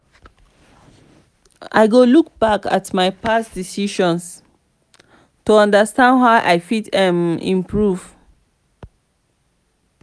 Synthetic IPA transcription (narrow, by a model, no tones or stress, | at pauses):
a̰ɪɡoluk̚b̥aka̰tmaɪpasdisiʃɔ̃ns | tuɔ̃ndəstãndhaʊʔaɪfitɛ̃mḭ̃mpɹuv